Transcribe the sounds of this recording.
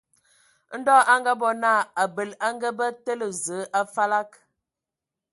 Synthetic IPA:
n̩˦dɔː˦ʔa˦ŋɡa˦bɔ˨na˦˨a˨bə˨la˦ŋɡə˦bə˦tə˦lə˨zə˨˦ʔa˦fa˦la˦k

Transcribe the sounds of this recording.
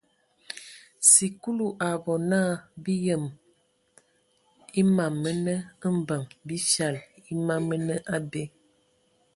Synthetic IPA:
si˨ku˦lu˨ʔa˨bɔ˨na˦˨bi˦jə˨m | i˦ma˨mːə˦nə˦ə˦m̩˦bə˨mbi˦ʃa˨li˦ma˦mə˦nə˦ʔa˦de˦

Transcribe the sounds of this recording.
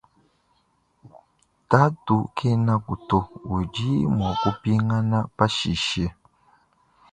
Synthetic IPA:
ta˦tu˨kʰe˦na˦ku˨to˦wu˨d͡ʒi˦mɔ˨ku˦pi˦ŋa˦na˦pa˦ʃi˨ʃe˦

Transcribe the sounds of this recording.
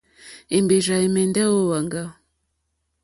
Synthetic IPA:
i˨mbi˨ʒa˨e˨me˨nda˦wo˦wa˨ŋɡa˨

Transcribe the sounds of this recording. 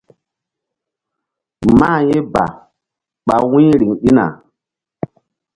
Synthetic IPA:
maː˦˨je˦ba̰˨ | ɓa˨wĩ˦ɾi˨ŋɗi˦na̰˨

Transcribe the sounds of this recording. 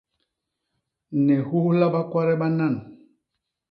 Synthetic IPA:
nɛ˨hu˦la˦ba˦kwa˦ɾɛ˦ɓa˦na˦˨n

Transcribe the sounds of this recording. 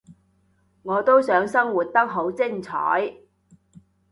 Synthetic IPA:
ŋɔː˨˧t̪o˥wsœː˨˥ŋsɐ˥ŋwuː˨t̚t̪ɐ˥k̚ɦo˨˥wt͡sɪ˥ŋt͡sʰɔ̰ː˨˥j

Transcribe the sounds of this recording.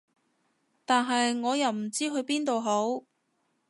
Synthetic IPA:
t̪aː˨nɦɐ˨jŋɔː˨˧jɐ˨wm̩˨˩t͡siː˥ɦɵ˧ɥpiː˥nt̪o˨wɦo˨˥w

